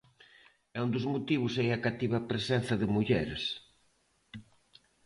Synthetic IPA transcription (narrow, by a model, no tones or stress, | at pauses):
ɛund̪ʊzmut̪iβʊsɛjɐkat̪iβɐpɾesɛnθɐðɪmuʎɛ̰ɾs